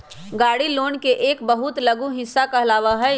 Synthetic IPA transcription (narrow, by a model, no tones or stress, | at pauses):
ɡaːɽiloːnkeʔːkbəɦʊt̪lɐɡũɦɪsːakaɐlaːʋaɦɛ